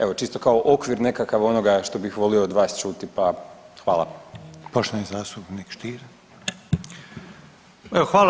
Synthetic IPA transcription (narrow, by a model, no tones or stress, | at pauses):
e̞ʋo̞t͡ʃist̪o̞kao̞ʔokʋiɾne̞kakaʋo̞noɡaʃt̪o̞bixʋo̞lioːd̪ʋaːst͡ʃut̪ipaxʋaːlˠa̰poʃt̪oenizaːst̪upnikʃt̪iːɾ | eoxʋaːl